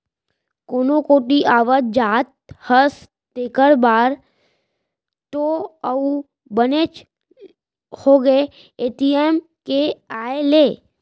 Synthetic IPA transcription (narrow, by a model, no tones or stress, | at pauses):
koːnokoːʈiʔaːʋət̪̚d͡ʒaːt̪̚həs | eːkəɾbaːɾ | t̪oəu | bənet͡ʃ | hoɡəe | eːʈiem | keaːeleː